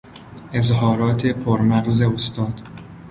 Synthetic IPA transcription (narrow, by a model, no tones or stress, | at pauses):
ʔe̞zhɒːɾɒːt̪ʰe̞pʰoɾmæɣzeost̪ɒːd̪̥